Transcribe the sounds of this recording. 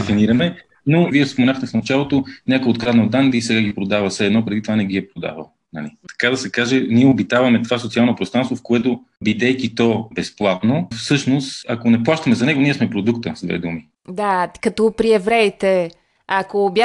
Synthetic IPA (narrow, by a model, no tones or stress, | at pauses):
dɛfiniɾɐmɛ | noviɛfspomɛnaxt̪ɛfnɐt͡ʃalˠot̪onʲakoot̪kɾad̪nɐod̪and̪isɛɡaɡipɾod̪avəsɛɛd̪nɔpɾɛd̪it̪ovanɛɡiɛpɾod̪a̰və̰lˠ | nɐ̰lḭt̪ɐ̥kad̪ɐsɛkaʒɛniɛobit̪avɐmɛt̪ovasot̪sialˠnopɾost̪ɾanst̪vofkoɛt̪o | bid̪ɛkit̪ɔbɛsplˠat̪nofsɤʃnost̪akonɛplˠaʃt̪ɐmɛzɐnɛɡoniɛsmɛpɾod̪ukt̪əzd̪vɛ̰d̪umi | d̪akɐt̪ɔpɾiɛvɾɛit̪ɛ | akobja